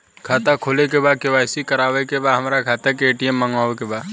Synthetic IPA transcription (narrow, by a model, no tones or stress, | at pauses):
kʰaːt̪akʰoːlekebaːd̪̚kɪʋaːjsikəɾaːʋekebaːd̪ɦəmɾakʰaːt̪akeeːʈiəmːəŋɡaːʋekebaːd̪